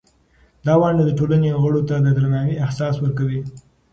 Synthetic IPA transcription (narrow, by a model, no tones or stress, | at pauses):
d̪ɑwɑɳɖad̪əʈolaneɣəɽot̪ad̪əd̪ɾanɑmiahsɑswəɾkawi